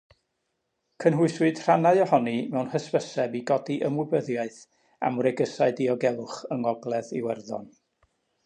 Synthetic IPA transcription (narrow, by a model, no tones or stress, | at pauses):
kʰənɦʊɨswɨd̥r̥anaɨɔhɔnimɛwnhəspəsɛbiɡɔdiʔəmwɪbəðjaɨθ | a̰mrɛɡəsaɨdiɔɡɛlˠʊχəŋɔɡlˠɛðḭwɛrðɔ̰n